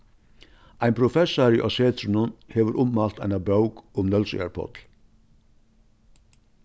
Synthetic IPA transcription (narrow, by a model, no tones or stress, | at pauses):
ʔæɪnpʰɾʊfɛsɑɾiːʔɑseːt̪ʰɾʉn̩ənheːʋəɾʔʊmmɑːlt̪æ̰ɪnɑbɾəʊkʊmnœlsḛːɹpʰɔ̰t̪l̩